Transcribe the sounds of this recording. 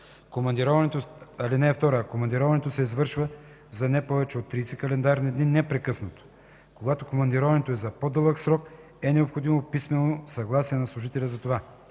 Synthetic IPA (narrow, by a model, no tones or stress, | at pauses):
komɐnd̪iɾɔvɐnɛt̪oɐlinɛft̪ɔɾəkomɐnd̪iɾɔvɐnɛt̪osɛizvɤɾʃvə | zɐnɛpɔvɛt͡ʃɛot̪ːɾiːsɛkɐlɛnd̪aɾnid̪ninɛpɾɛkɤsnət̪o̥ | koɡat̪okomɐnd̪iɾɔvɐnɛt̪oɛzɐpod̪ɤlˠəksɾɔk | ɛnɛopxod̪imopismɛnosɐɡlˠasiɛnɐslˠuʒit̪ɛlʲɐzɐt̪ova